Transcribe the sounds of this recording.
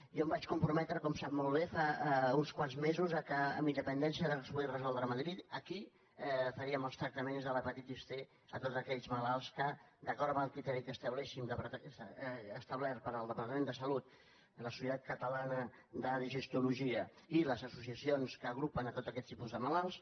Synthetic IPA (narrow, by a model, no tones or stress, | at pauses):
jɔmbat͡ʃkumpɾumɛt̪ɾəkɔmsap̚molˠβ̞efaunskwanzmezuzəkə̰ːmind̪əpənd̪ɛnsiəðəspuɣirəzɔlˠd̪ɾəməðɾit̪əki | ɛfəɾiəməlˠst̪ɾək̚t̪əmenzðələpət̪it̪ist̪e | ət̪ot̪zəkɛʎzməlalˠskəd̪əkɔɾəməlˠkɾit̪ɛɾikəst̪əβlɛʃind̪əp̪ː | st̪əβlɛɾpəɾəlˠd̪əpɐɾt̪əmẽnd̪əsəlut̪ | ləsu̥sət̪at̪̚kət̪əlanəðəðiʒəst̪uluʒiə | iləzəsusiəsionskəːɣ̞ɾupənət̪ot̪zəkɛt̪t̪ːipuzðəməlalˠs